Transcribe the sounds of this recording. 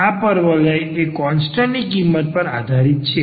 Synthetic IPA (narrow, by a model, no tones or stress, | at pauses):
apəɾʋələeekɔnsʈəɳʈːikimːət̪̚pəɾad̪ʱaɾit̪̚t͡ʃʰe